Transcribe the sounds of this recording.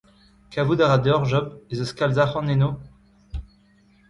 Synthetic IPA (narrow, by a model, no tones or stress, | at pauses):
kavud̪aʁad̪ɔʁʒɔbezɔskalzaχɑ̃neno